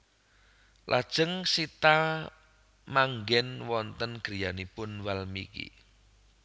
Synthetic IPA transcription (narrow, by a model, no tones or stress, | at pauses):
lʔa̰d̥ʒ̥əŋsit̪a | maŋɡɛnwɔnt̪ənɡ̥ɾijanipʊnwalmḭkḭ